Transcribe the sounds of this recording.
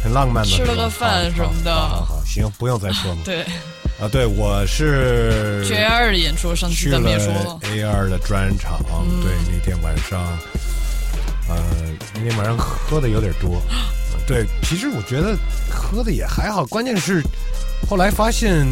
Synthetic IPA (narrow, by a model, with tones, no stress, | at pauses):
xə˨˩nlɑ˥˧ŋma˥˩nd̪ə˨˥ə˧ə˧fa˥˩nʂə˧˥mə˧˩d̪ə̰˧˥xɑ̰˨˩ɕi˧˥jʊ˥˩ŋpu˧˥jʊ˥˧ŋt͡sa˥˩ɪʈ͡ʂʰwɔ˥mə˨˩t̪we˥˩ɪ | ə˧t̪we˥˩ɪwɔ˨˩ʂɻ̩˥˩˥ | e˥ə˞˥˩ə˧jɛ˨˩nʈ͡ʂʰɔ˥ʂɑ˥˧t͡ɕʰy˥lə˥ɔ˥e˥ɪə˞˥˩d̪ə˩ʈ͡ʂwa˥nʈ͡ʂʰɑ̰˨˩˦t̪we˥˩ɪni˨˩t̪jɛ˥˩nwa̰˨˩nʂɑ˩ŋ | ə˧ | i˥ŋt̪wa˨˩nʂɑ˥˧xxɤ˥d̪ə˨jo˧˥ʊt̪jɛ˨˩t̪wɔ˥ə̰˧t̪we˥˩ɪt͡ɕʰi˧˥ʂɻ̩˧˥wɔ˨˩t͡ɕɥɛ˧˥d̪ə˧xɤ˥d̪ə˨jɛ˨˩xa˧˥ɪxɑ˨˩ʊkwa˥nt͡ɕjɛ˥˧nʂɻ̩˥˩ | xo˥˩ʊla˧˥ɪfa˥ɕjɛ˥˩n